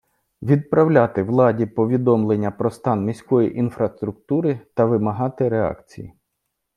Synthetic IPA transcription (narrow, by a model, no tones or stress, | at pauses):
ʋʲid̪̚pɾɐwlʲat̪ɪʋlˠɑdʲipɔʋʲid̪ɔmlˠenʲːɐpɾɔst̪ɑnmʲisʲkɔjiʔinfɾɐst̪ɾʊk̚t̪uɾɪt̪ɐʋɪmɐɦɑt̪ɪɾeɑ̰kt͡sʲḭjḭ